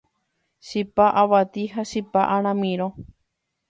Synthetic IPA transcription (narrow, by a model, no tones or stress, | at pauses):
ʃipaʔaβat̪iɦaʃipaʔaɾ̃ãmĩɾo